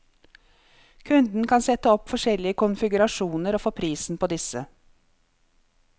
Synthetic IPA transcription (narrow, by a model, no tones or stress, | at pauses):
kʰʉnd̪n̩kʰɑnsɛt̪əɔpfɔʂɛlɪəkʰʊnfɪɡʉɾɑʂuːnəɾoːfoːpʰɾiːsn̩əpʰoːd̪ɪsə